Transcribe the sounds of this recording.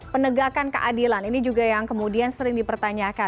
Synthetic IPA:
pənəɡakankə̰ʔadilaninid͡ʒuɡajaŋkəmudiansəɾɪŋdipərt̪aɲaka

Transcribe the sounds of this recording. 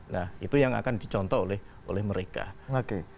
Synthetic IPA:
nahit̪ujaŋa̰kand̥it͡ʃɔnt̪ɔolɛh | ʔo̰lɛhməɾeka̰oke

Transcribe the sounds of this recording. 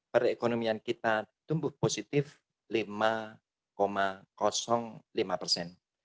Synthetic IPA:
pəɾekonomiankit̪at̪umbʊhposit̪ɪf | lima | komakɔsɔŋlimapərsɛn

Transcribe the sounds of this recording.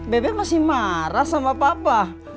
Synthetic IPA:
bebemasimaɾasamapapa

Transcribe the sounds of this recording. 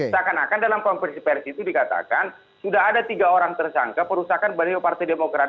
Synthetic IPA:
sakanakandalamkɔmpɛnsipɛrsiːt̪udikat̪a̰kan | sudaɦadat̪iɡaoɾaŋt̪ərsa̰ŋkapəɾusakanbaliopart̪ajdemokɾa

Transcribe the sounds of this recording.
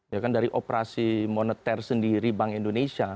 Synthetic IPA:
jakandaɾiʔopəɾasimonət̪ɛrsəndiɾibaŋindonesia

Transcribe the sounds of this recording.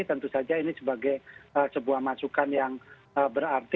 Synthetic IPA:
it̪ənt̪usad͡ʒainisəbaɡajəsəbuahmasukanjaŋ | əbəɾart̪i

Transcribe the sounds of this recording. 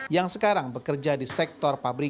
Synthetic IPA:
jaŋsəkaɾaŋbəkərd͡ʒadisɛk̚t̪ɔrfabɾi

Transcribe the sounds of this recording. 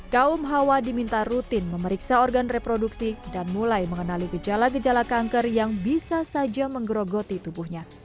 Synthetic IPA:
kaumɦawadimint̪arut̪ɪnməməɾiksaɔrɡanrepɾoduksidanmulajməŋənaliɡəd͡ʒalaɡəd͡ʒalakaŋkərjaŋbisasad͡ʒaməŋɡəɾoɡot̪it̪ubuhɲa

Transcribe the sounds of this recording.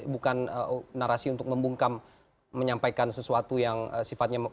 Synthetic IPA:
bukanənaɾasiunt̪ʊk̚məmbuŋkamː | əɲampajkansəsuat̪ujaŋəsifat̪̚ɲa

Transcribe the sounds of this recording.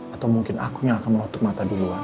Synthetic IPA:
at̪awmuŋkɪnʔa̰kuɲaːkanmənɔt̪ʊk̚mat̪adilua

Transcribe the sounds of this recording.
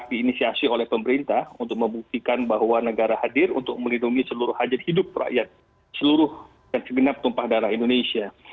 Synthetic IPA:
k̚diːnisiasiolɛhpəmbəɾint̪ahunt̪ʊk̚məmbuk̚t̪ikanbahwanəɡaɾahadɪrṵnt̪ʊk̚məlinduŋisəluɾʊhad͡ʒat̪̚hidʊp̚ra̰ʔjat̪̚ | səluɾʊh | dansəɡənap̚t̪umpahdaɾaɦindonesia

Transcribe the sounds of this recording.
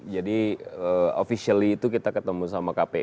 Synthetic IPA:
d͡ʒadiəofisialiːt̪ukit̪akət̪əmusamakapɛ

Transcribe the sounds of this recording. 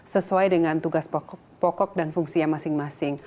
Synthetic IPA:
səsuajdəŋant̪uɡas | pɔkɔk̚danfuŋsiaŋmasɪŋmasɪŋ

